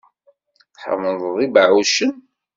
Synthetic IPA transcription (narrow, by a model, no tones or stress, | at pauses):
ħə̰ɾˤmənðˤəðˤibəʕuʃən